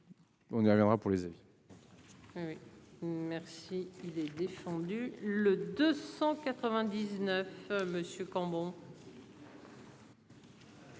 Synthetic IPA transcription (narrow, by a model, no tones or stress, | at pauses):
ɔ̃niʁvjɛ̃d̪ʁapuʁlezavi | wimɛʁsiilɛd̪efɑ̃d̪yləd̪øsɑ̃kat̪χəvɛ̃d̪iznœfməsjøkɑ̃bɔ̃